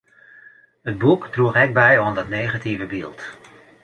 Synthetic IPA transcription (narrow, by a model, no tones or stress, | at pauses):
ɦəd̚bukdruχɛk̚bɛjɔndɑtnejχativəbilˠt